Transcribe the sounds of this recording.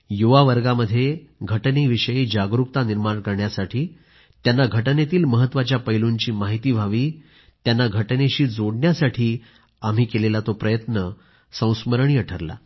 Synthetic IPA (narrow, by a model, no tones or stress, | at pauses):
juʋaʋəɾɡaməd̪ʱːjeɡʱəʈneʋiɕəjed͡ʑaɡɾuk̚t̪aniɾmaɳkəɾɳjasaʈʰiː | t̪janːaɡʱəʈnet̪iːlməɦət̪ːʋat͡ɕjapəjluɲt͡ɕiːmaɦit̪iːbʱaʋiː | t̪janːaɡʱəʈneɕiːd͡zoɽɳjasaʈʰiː | am̤iːkelelat̪opɾəjət̪nə | sə̃w̃sməɾɳiːəʈʰəɾla̰